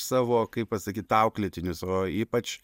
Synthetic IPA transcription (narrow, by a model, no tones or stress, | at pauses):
sɑːʋoːkɐɪp̚pɐsɐkʲiːt̪tɐʊklʲɪt̪ʲɪnʲʊsoːiːpɐt͡ʃ